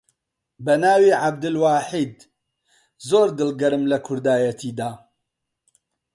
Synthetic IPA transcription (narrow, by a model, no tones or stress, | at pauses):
bɐnaːwiːʕab̚d̪ɨlwaːħiːd̪ | zoːɾd̪ɨlɡɐɾɨmlɐkʰʊɾd̪aːjɐt̪ʰiːd̪aː